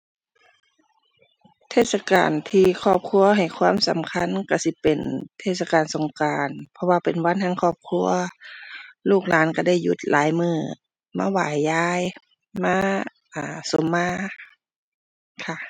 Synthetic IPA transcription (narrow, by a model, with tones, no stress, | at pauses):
t̪ʰeː˧˩t̪̚sa˧ka̰ː˨˩nt̪ʰiː˧kʰɔː˧˩p̚kʰu˧˥ɐɦa˨˩jkʰwaː˧˥˨msa̰˨˦mkʰa˧˥˨nka˧˩si˧˦pe˨˩nt̪ʰeː˧˩t̪̚sa˧kaː˨˩nso˨˦ŋkaː˨npʰɔ˧waː˧pe˨˩nwa˧˥˨nha˧˥˨ŋkʰɔː˧˩p̚kʰu˧˥ɐ | luː˧˩k̚laː˨˦˥nka˧˩da˧˩jːṵ˧˦t̪̚lʔaː˨˦jmɯː˧˩ | maː˧˥˨wa̰ː˨˩jːaː˧˥j | maː˧˥ | ʔaː˨˩so˨˦mːaː˧˥˨ | kʰa˧˩